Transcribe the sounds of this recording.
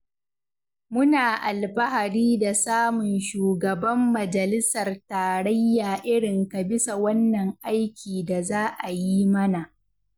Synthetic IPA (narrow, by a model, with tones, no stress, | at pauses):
mʊ˦naː˨ʔa˨lbɐ˦ɦa˨ɽiː˦da˨saː˦mʊ˨nʃuː˨ɡɐ˨bɐ˦mːɐ˨d͡ʒɐ˨lɪ˦sɐ˨rtaː˨ɽɐ˦jːaː˨ʔɪ˦ɽɪ˨ŋka˨bɪ˦sa˨wɐ˦nːɐ˨ŋʔa˦jkʲiː˨da˨zaː˦ʔa˨ji˦mɐ˦na˨ʔ